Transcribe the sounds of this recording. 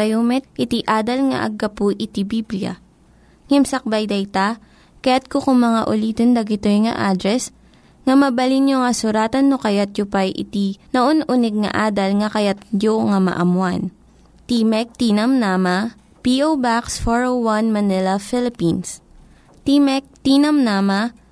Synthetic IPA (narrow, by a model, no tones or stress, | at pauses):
tɐjomɛt̪̚ʔɪt̪iʔaːd̪ɐlŋɐ̰ʔɐ̰ɡːɐpuʔɪt̪ibibliɐ̰ | ŋɛmsɐk̚bajd̪ɐjt̪a | kɐjat̪̚kokʊŋmɐŋaʔʊliːt̪ond̪ɐɡɪt̪ojŋɐ̰ʔaːd̪ɾɛs | ŋɐmɐbɐlinjoŋɐsʊɾaːt̪ɐnːokɐjat̪̚jʊpajʔɪ̰t̪inɐʔonʔunɛɡ̚nɐ̰ʔaːd̪ɐlŋɐkɐjat̪̚joŋɐmɐ̰ʔɐmwan | t̪imɛk̚t̪inɐmnamɐ | piʔowbaksfoɹowwanmɐnɪlɐfɪlɪpins | t̪imɛk̚t̪inɐmnaːmɐ